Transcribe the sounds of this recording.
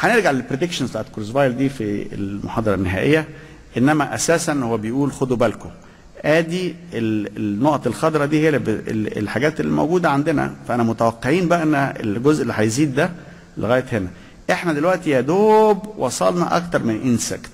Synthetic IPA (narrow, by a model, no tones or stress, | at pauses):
ħæneɾɡaʕlelpɾed̪ekʃonzt̪ɑ̰ʔt̪koɾzbɑjld̪iːfḭḛlmoħɑːd̪ˤɑɾˤɑnːeɦæ̰ːʔejːæ | ʔenːæmæʔæsæːsænhowːæbejʔuːlxod̪ubælko | ʔæːd̪ielnːoʔt̪ˤelxɑd̪ɾˤɑd̪iːhejæbḛḛlħaɡæːt̪elːḭmo̰wɡuːd̪æʕand̪enæ̰fæʔænæmot̪æwæqːeʕiːnbæʔæʔenːæḛlɡozʔelːiːħæjziːd̪ːæ | lḛɣæːjet̪henæ | ʔeħnæd̪elwæʔt̪ijæd̪oːbwʔɑsˤɑlnɑʔɑ̰kt̪ɑɾˤmenʔinsæ̰kt̪